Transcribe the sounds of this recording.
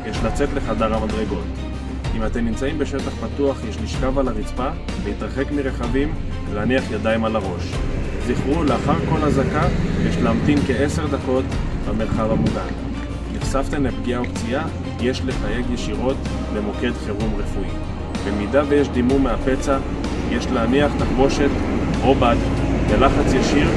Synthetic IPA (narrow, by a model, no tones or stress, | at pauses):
jeʃlat͡se̞t̪le̞χadaʁamadʁe̞ɡo̞t | imat̪emnimt͡saimbe̞ʃetaχpatuaχjeʃliʃkavalaʁit͡spa | veit̪ʁaχe̞kmiʁe̞χavim | laniaχjadaimalaʁo̞ʃ | ziχʁuleaχaʁko̞lhazakajeʃlaamtinkeese̞ʁd̪ako̞tbameʁχavhamulan | niχsaft̪emepɡiaobt͡sia | jeʃlefaje̞ɡjeʃiʁo̞t̪ | lemo̞ke̞d̪χeʁumʁefui | bemidavejeʃd̪imumeape̞t͡sa | jeʃleaniaχtaχbo̞ʃe̞t̪obad̪belaχat͡sjaʃiʁ